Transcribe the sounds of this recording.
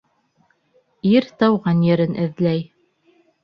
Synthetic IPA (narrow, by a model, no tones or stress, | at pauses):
iɾt̪ɑwʁɑnjɘ̆ɾɘnʔɘ̆ðlæj